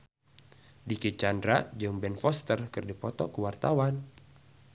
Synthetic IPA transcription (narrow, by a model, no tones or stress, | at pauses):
dikit͡ʃandɾad͡ʒɨŋbɛnfɔst̪ərkɨrdipɔt̪ɔ̰kuwart̪awan